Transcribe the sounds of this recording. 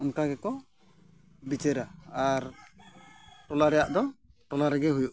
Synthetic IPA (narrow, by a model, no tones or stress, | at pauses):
ɔnkaɡɛkɔ | bit͡ʃɛɾaaɾ | ʈɔlaɾɛjaʔd̪ɔʈɔlaɾɛɡɛɦujuʔ